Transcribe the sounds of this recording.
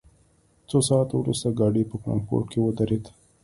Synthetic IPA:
t͡sosɑːt̪wɾṵst̪aɡɑɖəpəkɾɑ̰mpo̰ɾʈkʰewəd̪aɾed̪

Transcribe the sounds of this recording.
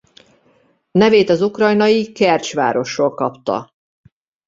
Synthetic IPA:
nɛveːt̪ɒzukrɒjnɒjikɛrt͡ʃʋa̰ːɾo̞ʃoːlkɒpt̪ɒ̰

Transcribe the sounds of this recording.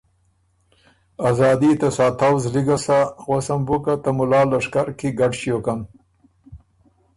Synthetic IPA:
azɑːd̪it̪asɑːt̪awzliɡasaɣwasambukat̪amʊlɑːlaʂkaɾkiɡaɖʃijokan

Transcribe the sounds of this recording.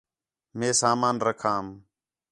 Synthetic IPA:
mẽːsaːmaːnɾəkʰaːm

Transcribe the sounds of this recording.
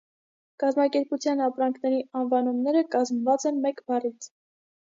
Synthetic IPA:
kɑzmɑkɛɾput͡sʰjɑnɑpɾɑŋkʰnɛɾiɑnvɑnumnɛɾəkɑzmvɑt͡sɛnmɛkbɑrit͡sʰ

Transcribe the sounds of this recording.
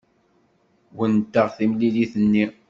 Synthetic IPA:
wənt̪ːəʁθimliliθənːi

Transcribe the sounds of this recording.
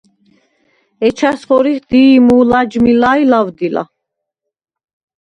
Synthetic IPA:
ɛt͡ʃʰasχɔɾiχd̪̥iːmuːlad͡ʒmilajlavd̪ila̰

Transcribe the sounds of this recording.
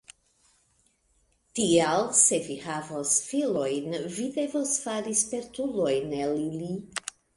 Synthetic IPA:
tialse̞vihavosfilo̞jnvide̞vosfaɾispe̞ɾtulo̞jnelili

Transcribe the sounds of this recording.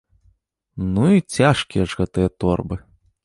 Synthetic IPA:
nuit͡sʲaʂkʲijɐʐɣɛt̪ɨjɐt̪ɔrbɨ

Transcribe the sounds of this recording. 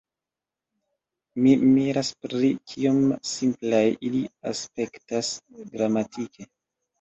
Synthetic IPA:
mimiɾaspɾit͡ʃʰiomsimplajʔilia̰spe̞ktasɡɾamatikʰe̞

